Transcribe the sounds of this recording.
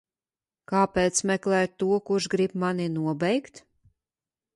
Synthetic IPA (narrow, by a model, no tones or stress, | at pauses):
kaːpɛːt̪smɛklˠɛːt̪ːuɔkuʃɡɾibmaninuɔbɛjkt̪